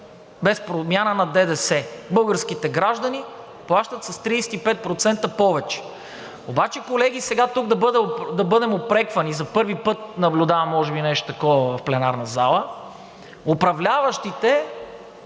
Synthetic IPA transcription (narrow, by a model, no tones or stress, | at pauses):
bɛspɾomʲjanənɐd̪ɛd̪ɛsɛbɤlˠɡəɾsk̟it̪ɛɡɾaʒd̪ɐni | plˠaʃt̪ɐt̪sɐst̪ɾiːsɛ̥t̪ipɛt̪̚pɾot̪sɛnt̪əpɔvɛt͡ʃɛ̥ | obat͡ʃɛkolɛɡ̟isɛɡat̪uɡd̪ɐbɤd̪ɛd̪ɐbɤd̪ɛmopɾɛkvɐnizɐpɤɾvipɤt̪nɐblʲʊd̪avɐmːɔʒɛbinɛʃt̪o̥t̪ɐkɔvəvɐfplɛnaɾnɐzalˠə | opɾɐvlʲavɐʃt̪it̪ɛ